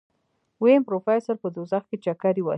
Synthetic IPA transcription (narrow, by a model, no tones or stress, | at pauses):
wempɾofajsaɾpəd̪ozaxket͡ʃakaɾiwa̰